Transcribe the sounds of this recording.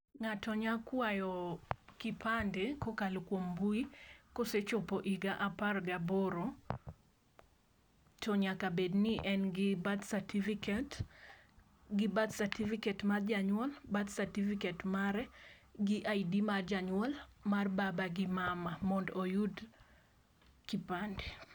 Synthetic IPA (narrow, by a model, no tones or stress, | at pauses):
ŋatɔɲakwajɔkɪpʰandekokalkwombuikoset͡ʃɔpoʔiɡaʔaparɡaboɾo | tʰɔɲakabednɪʔɛnɡɪbad̪satifikt | ɡɪbad̪satifikɛtmard͡ʒaɲwɔlbat̪sartifikɛtmaɾɛɡɪʔaidimard͡ʒaɲwɔlmarbabaɡɪmamamɔndojud | kipande